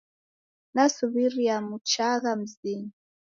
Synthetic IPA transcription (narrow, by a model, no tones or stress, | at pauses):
nasuβiɾiamut͡ʃaɣam̩zin